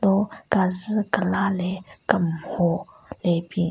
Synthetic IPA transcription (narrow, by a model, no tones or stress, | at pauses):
dokaz̩kəlalekəmho | lebi